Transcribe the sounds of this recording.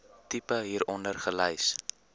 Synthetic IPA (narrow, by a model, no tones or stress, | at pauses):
tipəɦiːɾɔndərχələjs